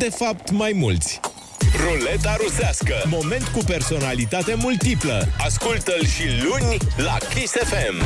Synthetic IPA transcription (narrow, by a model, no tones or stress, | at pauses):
d̪e̞fap̚t̪majmult̪sʲ | rolet̪aɾusaskəmo̞me̞nt̪kupe̞rso̞nalit̪at̪e̞mult̪ipləaskult̪əlʃilunʲlakesefem